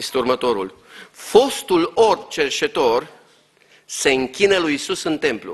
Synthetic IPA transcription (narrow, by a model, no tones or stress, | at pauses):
est̪eurmət̪o̞ɾṵl | fo̞st̪ulort͡ʃe̞rt͡ʃe̞t̪o̞r | se̞ɨŋkʲinəlujisusɨnt̪e̞mplṵ